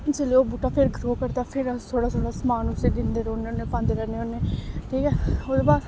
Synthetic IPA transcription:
t͡ʃəleoːbuːʈaːpʰɪɾɡʱɾoːkəɾt̪aːpʰɪɾt̪ʰoːɽaːt̪ʰoːɽaːsəmaːnʊsed̪ɪnd̪eːɾoːnːonːeːpãːnd̪eːɾɛːneːoːneːʈʰiːkɛːoːd̪eːbaːɾ

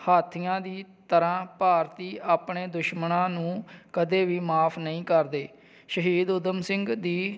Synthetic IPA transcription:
haːt̪ʰijãːd̪iːt̪əɾãːpaːɾt̪iːaːpɳeːd̪ʊʃmənãːnũːkəd̪eːʋiːmaːpʰnəĩːkəɾd̪eː | ʃəɦiːd̪ʊd̪əmsɪŋɡd̪iː

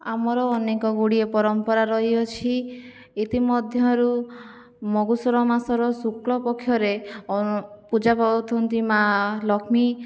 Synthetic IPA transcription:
amɔɾɔːnekɔɡuɽiepɔɾɔmpɔɾaɾɔɦiɔt͡ʃʰi | it̪imɔd̪ʱjɔɾu | mɔɡusɔɾɔmasɔɾɔsuklɔpɔkʰːjɔɾeɔpud͡ʒapabɔt̪ʰɔnt̪imalɔkʰmi

